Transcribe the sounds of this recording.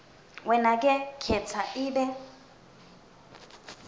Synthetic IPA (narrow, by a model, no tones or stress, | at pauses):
wɛnakʼɛkʰɛt͡sʰaʔiːɓɛ